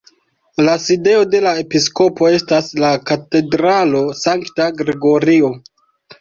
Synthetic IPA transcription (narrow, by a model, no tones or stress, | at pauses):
laside̞o̞de̞lae̞pisko̞po̞e̞staslakate̞dɾalo̞saŋktaɡɾeɡo̞ɾio̞